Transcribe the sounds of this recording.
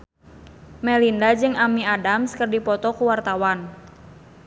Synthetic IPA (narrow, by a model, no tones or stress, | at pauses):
mɛlindad͡ʒɨŋamiadamskərdipɔt̪ɔkuwart̪awan